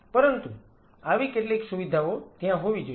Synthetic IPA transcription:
pəɾənt̪u | aʋikeʈleksuʋid̪ʱaot̪jãɦoʋid͡ʒo

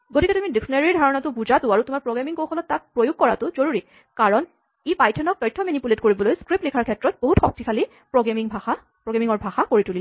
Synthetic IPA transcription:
ɡotikɛtumidiksɔnaɹiɹdʱaɹɔnatʊbuzatʊaɹutʊmaɹpɹoɡamiŋkowxɔlɔtːak̚pɹojuɡ̚kɔɹatʊzoɹuɹi | kaɹɔn | ipajtʰɔnɔk̚tɔjtʰːɔmenipuletkoɹibɔlojskɹeplikʰaɹkʰɛtɹɔt̚boɦutxɔk̚tikʰali | pɹoɡamiŋbʱaxa | pɹoɡamiŋɔɹbʱaxakoɹitulil

